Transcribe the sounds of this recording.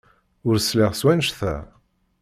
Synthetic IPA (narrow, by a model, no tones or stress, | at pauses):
ʊɾslɪʁswænʃθæ̰